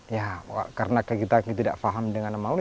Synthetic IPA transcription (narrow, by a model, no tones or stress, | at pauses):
jaa̰kaɾənakajkit̪akit̪ida̰ʔfaɦamdəŋanamaw